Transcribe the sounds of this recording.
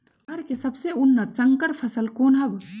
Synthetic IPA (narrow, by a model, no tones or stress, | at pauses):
ɐɾkesɐbseʊnːət̪sɐŋkəɾpʰɐsəlkoːnɦɐb